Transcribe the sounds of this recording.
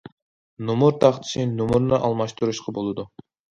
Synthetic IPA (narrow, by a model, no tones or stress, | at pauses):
nomuɾt̪ʰɑχt̪ʰɪ̥ʃinumuɾnɨʔɑlˠmɑʃt̪uɾuʃqʰɑbolˠɨd̪u